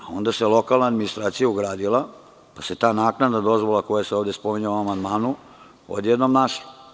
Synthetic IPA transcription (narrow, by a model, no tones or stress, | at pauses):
ao̞nd̪aselo̞kalnaːd̪minist̪ɾaːt̪sijauɡɾaːd̪ilˠa | pase̞t̪aːnaːknad̪ad̪o̞zʋolako̞jaseoːʋd̪espomiɲauamand̪maːnu | o̰d̪jed̪nomnaʃo̥